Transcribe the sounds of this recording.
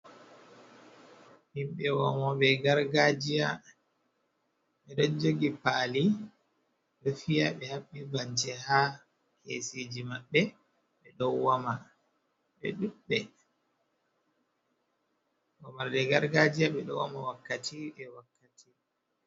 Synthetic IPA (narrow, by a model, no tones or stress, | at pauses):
himɓɛwɔmɔɓɛɡaɾɡad͡ʒija | ɓɛɗad͡ʒoɡipaːli | ɗɔfijaɓɛhaɓːibant͡ʃɛha | kʰḛsid͡ʒimaɓːɛ | ɓɛɗɔwːama | ɓɛ̰ɗuɓːɛ | wɔmaɾdɛɡaɾɡad͡ʒijaɓɛɗɔwamawakːatʰiɛwakːati